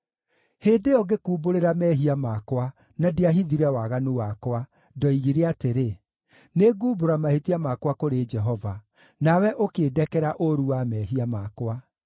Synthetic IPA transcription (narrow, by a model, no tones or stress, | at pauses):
heːndeɔɡekuːboɾeɾamɛɦiamakwa | nadiaɦiðiɾɛwaɣanuwakwa | dɔiɣiɾeateɾe | neɡuːboɾamahetiamakwakoɾed͡ʒɛɦɔva | nawɛʔokeːdɛkɛɾaʔoɾuwamɛɦiamakwa